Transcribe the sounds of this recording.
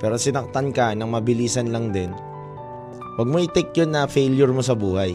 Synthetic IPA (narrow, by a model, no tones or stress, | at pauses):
pɛːɾo̞sɪnɐk̚t̪ankɐnɐŋmɐbɪliːsɐnlɐŋd̪ɪn | wɐɡ̚moʔɪt̪ɛk̚jonːɐfɛːljʊɹmosɐbuːhaj